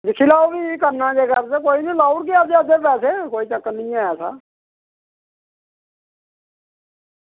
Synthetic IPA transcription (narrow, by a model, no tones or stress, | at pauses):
d͡ʒɪkʰːiːlaːoːbiːkəɾnãːd͡ʒeːkəɾt̪ekoːiːnĩːlaːuɽkiəd͡ʒ̪eəd̪eːpɛːseːkoːiːt͡ʃəkːnɪĩːaːjaːsa̰ː